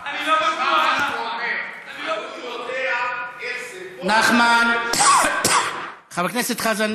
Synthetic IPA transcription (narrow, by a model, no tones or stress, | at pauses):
naχman | χabaknɛsɛt̪χazan